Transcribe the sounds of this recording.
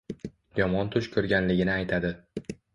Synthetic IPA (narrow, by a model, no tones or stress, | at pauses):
jɒmɒnt̪ʰʊt͡ʃkʰɵɾɡʲanlɪɡʲɪnɪajt̪ʰad̪ɪ